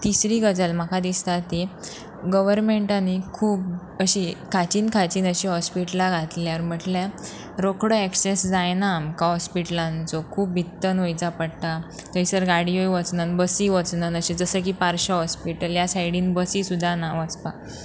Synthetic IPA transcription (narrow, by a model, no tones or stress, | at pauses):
t̪isɾiːɡəd͡zəlm̤əkʰad̪ist̪at̪i | ɡəʋəɾmeɳʈanikʰuːp̚ | əɕikʰat͡ɕiːnkʰat͡ɕiːnəɕiɦɔspiʈlaɡʱat̪liaɾm̤əʈlã | ɾokʰɽəeksesd͡zajnam̤əkaɦɔspiʈəlãnt͡sɔkʰuːp̚bʱit̪ːənojt͡sapəɽt̪a | k̪əɦisəɾɡaɽiojʋət͡snənbəsiːʋət͡snənəɕĩd͡zəsək̬iːpaɾɕəɦɔspiʈəljasajɽiːnbəsiːsud̪ʱːanaʋət͡spa